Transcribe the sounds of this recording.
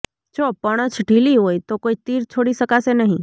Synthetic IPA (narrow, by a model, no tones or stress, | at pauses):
d͡ʒopəɽ̃ət͡ʃʰɖʱiliɦojt̪okoit̪iɾt͡ʃʰoɽisəkasenəɦĩ